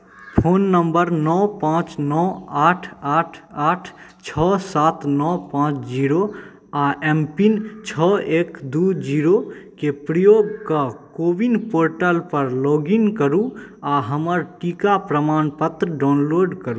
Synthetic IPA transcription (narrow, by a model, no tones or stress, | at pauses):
pʰoːnːəmbəɾnɔpãːt͡ʃnɔaːʈʰaːʈʰaːʈʰt͡ʃʰɔsaːt̪nɔpãːt͡ʃʰd͡ʒiɾo | aʔɛmpint͡ʃʰɔeːkd̪ud͡ʒiɾokepɾəjoːɡkəkobinpoːɾʈəlpəɾlɔːɡinkəɾuaɦəməɾʈikapɾəmaːnpət̪ɾəɖaʊnloːɖkəɾu